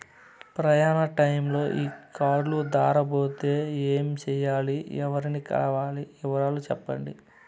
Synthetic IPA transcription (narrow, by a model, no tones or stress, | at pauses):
pɾɐjaːnɐʈɐjmlo̞ːʔiːkaːɾlud̪aːɾɐbo̞ːt̪e̞ːeːmt͡ʃɛːjaːliɛʋɐɾinikɐ̰lɐʋaːliɛʋɐɾaːlut͡ʃɛpːɐɳɖḭ